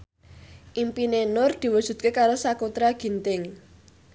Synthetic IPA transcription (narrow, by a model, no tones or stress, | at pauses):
ʔimpinenʊrd̪̥i̤wud̥ʒ̥ṳt̪̚kekaɾosakut̪ɾaɡ̥i̤nt̪ɪŋ